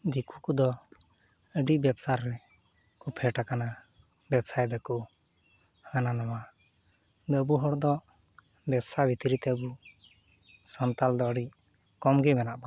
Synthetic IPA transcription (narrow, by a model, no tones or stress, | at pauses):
d̪ikʰukud̪ɔ | əɖiʔbɛbsaɾːɛ | kupʰɛʈakana | bɛbsajd̪ɛku | həənanawa | d̪ɔəbuɦɔɽd̪ɔ | bɛbsabit̪iɾit̪ɛəbu | sɔnt̪ald̪ɔəɖic̚ | kɔmɡɛmɛnaʔba